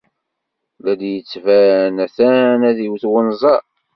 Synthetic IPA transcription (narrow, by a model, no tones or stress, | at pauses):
læd̪jət͡sːvænæθænæðiwθwənzˤɑ